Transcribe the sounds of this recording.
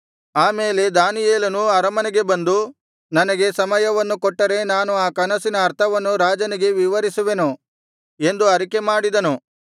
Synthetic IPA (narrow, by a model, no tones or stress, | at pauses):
aːme̞ːle̞d̪aːnijeːlɐnuɐɾɐmɐniɡe̞bɐnd̪u | nɐnɐɡe̞sɐmɐjɐʋɐnːukɔʈːɐɾe̞naːnuaːkɐnɐsinɐːɾt̪ʰɐʋɐnːuɾaːd͡ʒɐniɡe̞ʋiʋɐɾisuʋe̞nu | e̞nd̪uɐɾike̞maːɽid̪ɐnu